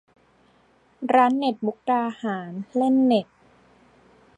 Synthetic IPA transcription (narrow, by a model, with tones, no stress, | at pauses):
ɾaː˦˥nːe˨˩t̪̚bu˦˥k̚taː˧haː˩˦nle˥˩nːe˨˩t̪̚